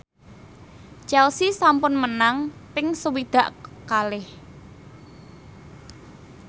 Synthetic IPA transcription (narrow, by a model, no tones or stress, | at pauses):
t͡ʃɛlsisampʊnmənaŋpɪŋsəwid̪̥ä̤ʔkalɪh